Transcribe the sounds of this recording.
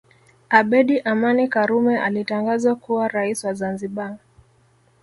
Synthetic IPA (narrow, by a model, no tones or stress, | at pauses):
aɓɛɗiʔamanikaɾumɛʔalitaŋɡazakuwaɾaisiwazanziɓa